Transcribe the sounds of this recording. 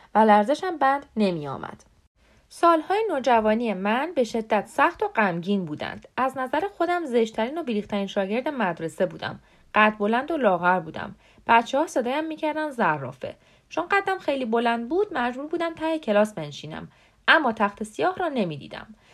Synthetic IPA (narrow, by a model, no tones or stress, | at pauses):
vælæɾze̞ʃæmbænd̪ne̞miɒ̰ːmʔæ̰d̪̥ | sɒːlhɒːjenoːd͡ʒævɒːniemænbe̞ʃe̞d̪ːæt̪sæxt̪o̞ɢæmɟiːnbuːd̪æ̰nd̪̥æznæzæɾexo̞d̪æmze̞ʃt̪ʰæɾiːno̞biɾiːxt̪ʰæɾiːnʃɒːɟe̞ɾd̪emæd̪ɾe̞se̞buːd̪æ̰m | ɢ̥æt̪bo̞lænd̪olɒːɣæɾbuːd̪æ̰m | b̥æt̪t͡ʃʰehɒːsed̪ɒːjæmːiːcʰæɾd̪ænd̪zærːɒ̰ːfe̞̰ | t͡ʃʰonɢæd̪ːæmxejlibo̞lænd̪̚buːd̪̥̚mæd͡ʒd͡ʒbuːɾbuːd̪æmt̪ʰæhecʰe̞lɒːsbe̞nʃiːnæ̰m | æmːɒːt̪ʰæxt̪ʰe̞sijɒːhɾɒːne̞miːd̪ḭːd̪æ̰m